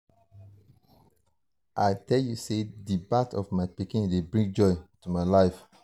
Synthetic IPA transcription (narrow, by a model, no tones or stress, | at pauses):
ʔaɪtɛljusedibatɔvmaɪpikĩndebɹĩŋɡ̚d͡ʒɔɪtumaɪlaɪf